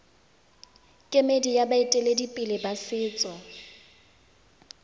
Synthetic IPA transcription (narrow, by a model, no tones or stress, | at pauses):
kʼemedijabaɪtʼeledipʼɪlɪbasɪːt͡sʼɔ